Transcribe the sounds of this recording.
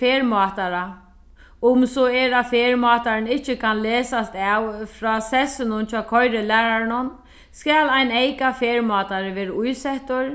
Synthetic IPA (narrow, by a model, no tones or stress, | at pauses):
feːɹmɔːt̪aɾa | ʊmsɔɛːɾafeːɹmɔːt̪aɾɪnɪht͡ɕːɪkʰanlɛːsast̪awfɾɔːsɛsɪnʊnt͡ɕɔːkʰɔjɾɪlɛːɾaɾnʊn | skaːlajnejkafeːɹmɔːt̪aɾɪʋeːɾɪʔujsɛht̪ʊɹ